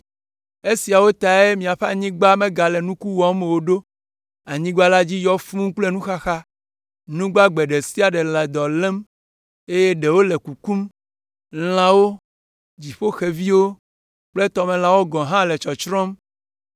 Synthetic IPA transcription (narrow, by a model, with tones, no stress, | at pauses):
e˦si˨a˨wo˦t̪a˨e˦mĩ˨a˨ɸe˦a˨ɲĩ˦ɡ͡ba˦mẽ˦ɡa˨lɛ˨nũ˦ku˦wɔ˨˦me˨wo˦ɖo˦ | a˨ɲĩ˦ɡ͡ba˦la˦d͡ʑi˦jɔ˦fũ˦k͡ple˦nũ˦xa˦xa˦ | nũ˦ɡ͡ba˦ɡ͡be˨ɖe˨si˦a˨ɖɛ˨lɛ˨d̪ɔ˨lɛ̃˦m | e˦je˦ɖe˨wo˦lɛ˨ku˨ku˦m | l̃ã˦wo˦ | d͡ʑi˨ɸo˦xe˨vi˦wo˦ | k͡ple˦t̪ɔ˦mɛ̃˨lã˦wo˦ɡɔ̃˨ɦã˦lɛ˨t͡ʃɔ˨t͡ʃɾɔ̃˦m